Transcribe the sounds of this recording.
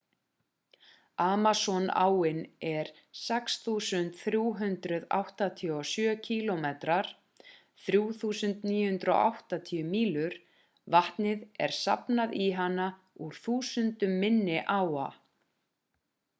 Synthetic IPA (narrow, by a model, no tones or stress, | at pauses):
aːmasɔna̰ːwɪnɛɾ̥ | sɛksθuːsʏnt̪θɾjuːɦʏnt̪ɾʏða̰wht̪at̪ʰiɔsjœːcʰiːlɔmet̪ɾaɾ̥ | θɾjuːθuːsʏnt̪niːjʏhʏnt̪ɾɔ̰ʔa̰wht̪at̪ʰiːʏmiːlʏɾ̥ | vaht̪nɪðɛ̰ɾ̥sa̰pnaðiɦanːa | uɾ̥θuːsʏnt̪ʏmːɪnːɪʔaːwa